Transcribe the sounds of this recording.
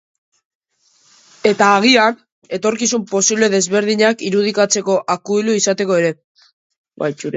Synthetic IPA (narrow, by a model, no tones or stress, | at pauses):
e̞t̪aːɣ̞ian | e̞t̪o̞ɾkisumpo̞siβle̞ðe̞zβe̞ɾðiɲakiɾuð̞ikat͡se̞ko̞ʔakuiluisat̪e̞ko̞e̞ɾe̞ | ba̰jt͡ʃuɾe